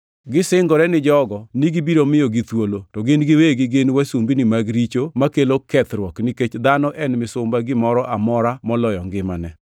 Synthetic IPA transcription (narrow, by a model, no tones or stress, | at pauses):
ɡɪsɪŋɡɔɾɛnɪd͡ʒɔɡɔniɡibiɾomɪjoɡit̪wolotɔɡɪnɡɪweɡɪɡɪnwasumbinɪmaɡɾit͡ʃomakelokɛt̪ɾwɔkniket͡ʃd̪anɔʔɛnmɪsʊmbaɡɪmɔɾɔʔamɔɾamɔlɔjɔŋɡɪmanɛ